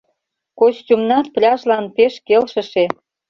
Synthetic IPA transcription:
koɕtʲumnɑt̪̚plʲɑʃlɑnpeʃkelʃə̆ʃe

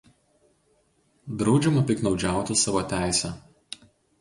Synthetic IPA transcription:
d̪ɾɒʊd͡ʒʲɛmɐpʲɪknɒʊd͡ʒʲæˑʊt̪ʲɪsɑːʋot̪ʲæˑɪsʲɛ

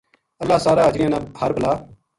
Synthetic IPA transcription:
əlːaːsaːɾaːd͡ʒjãːnãːəɾbəlaː

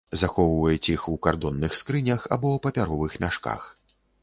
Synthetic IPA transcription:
zaxɔwvɐjɛt͡sʲixukard̪ɔnːɨxskɾɨnʲɐxa̰bɔwpɐpʲaɾɔvɨxmʲaʂka̰x

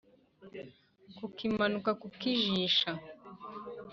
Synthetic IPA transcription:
kukimanukakukiʒiʃa

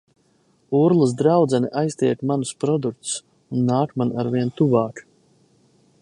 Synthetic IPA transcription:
uɾlˠɨsd̪ɾawd̪zɛniʔajst̪iɛkmanuspɾɔd̪uk̚t̪s | unːaːkmanaɾviɛnt̪uvaːk

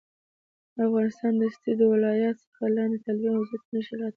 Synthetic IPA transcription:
afɣɑnɪst̪ɑnd̪əst̪id̪əwɪlɑjɑt̪sə̥xalɑnd̪et̪alwjaazat̪̚nəʃiɾɑt̪

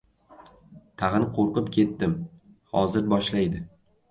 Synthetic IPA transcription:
t̪ʰaʁnɪqʰoɾqɨpkʲʰe̞t̪ːɪm | hɒ̰zɪɾbɒʃlajd̪ɪ

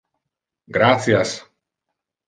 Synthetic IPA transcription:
ɡɾaθjas

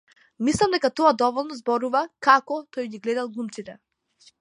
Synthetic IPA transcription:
mislˠamd̪ɛkat̪ɔad̪ɔvɔlˠnɔzbɔɾuvakakɔt̪ɔjɡiɡlɛd̪alˠɡlˠumt̪sit̪ɛ

